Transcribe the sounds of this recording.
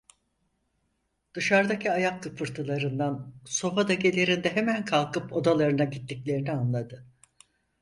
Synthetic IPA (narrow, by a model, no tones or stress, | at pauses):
d̪̥ɯʃaɾd̪acʰiajakːɯpʰɯɾt̪ʰɯlˠaɾɯnd̪anso̞fad̪aɟe̞lʲe̞ɾind̪ɛɦemænkʰalˠkɯpo̞d̪alˠaɾɯnaɟit̪ʰːiclʲe̞ɾinianlˠad̪ɯ